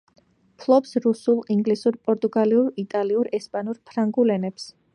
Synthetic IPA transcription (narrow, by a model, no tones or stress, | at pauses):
pʰlˠɔpsɾusulˠiŋɡlisuɾpʼɔɾt̪ʼuɡaliuɾit̪ʼaliuɾɛspʼanuɾpʰɾaŋɡulɛnɛps